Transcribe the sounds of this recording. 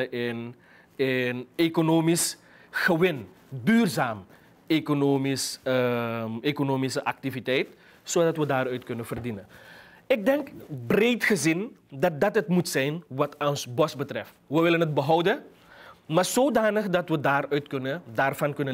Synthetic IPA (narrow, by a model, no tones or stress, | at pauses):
ʔɪn | ɪnekonoːmis | xəʋɪn | dyːrzaːm | ekonoːmis | ekonoːmisəʔɑk̚tivitɛjt | soːdɑtʋədaːrœɥtkɵnəvərdinə | ɪk̚dɛŋkbrejtχəzɪndɑt̚dɑtɦətmutsɛjnʋɑtɔnsbɔsbətrɛftʋəʋɪlənɦət̚bəɦɔwdə | maːrzoːdaːnəxdɑtʋədaːrœɥtkɵnədaːrvɑnkɵnə